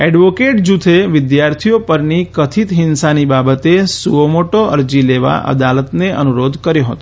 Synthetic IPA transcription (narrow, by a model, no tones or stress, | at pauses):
ɛɖʋokeʈ̚d͡ʒut̪ʰeʋɪd̪jaɾt̪ʰijopəɾnikət̪ʰit̪ɦɪnsanibabət̪esuomoʈoʔəɾd͡ʒileʋa̰ʔə̰d̪alət̪neʔə̰nuɾod̪ʱkəɾjoɦə̰t̪o